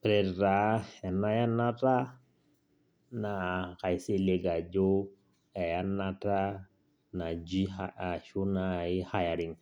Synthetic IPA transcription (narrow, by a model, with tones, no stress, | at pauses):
pɾɛ˨ɾa˨˦ɛ˨na˦ja˦nːa˦ta˦ | na˨ka˨jse˦le˨ɡa˨d͡ʒo˦ | ɛ˨ja˦nːa˦ta˦ | na˨d͡ʒi˦aa˨ʃu˦na˨i˦ha˨ja˨ɾi˨ŋ